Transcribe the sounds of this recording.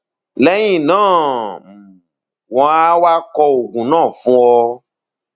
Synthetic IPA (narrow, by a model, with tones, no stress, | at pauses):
lɛ˦j̃ĩ˦˨nãː˦˨m˨ | wɔ̃˨˧˦a˦wa˦kɔ˧o˨ɡũ˨nãː˦˨fũ˦ɔ˧